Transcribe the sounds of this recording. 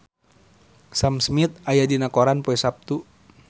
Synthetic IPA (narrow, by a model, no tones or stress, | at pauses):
samsmit̪̚ajadinakɔɾanpoɛsap̚t̪u